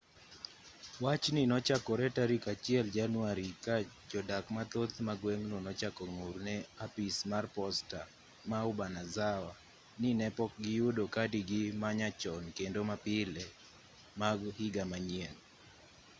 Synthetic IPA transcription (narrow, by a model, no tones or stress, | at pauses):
wat͡ʃninɔt͡ʃakɔɾɛtaɾikat͡ʃjɛld͡ʒanuwaɾikad͡ʒɔdakmat̪ot̪maɡwɛŋnonɔt͡ʃakɔŋuɾnɛapismarpɔsta | maubanazawa | ninɛpɔk̚ɡɪjudokadiɡɪmaɲat͡ʃɔnkendomapɪlɛ | maɡhiɡamaɲiɛn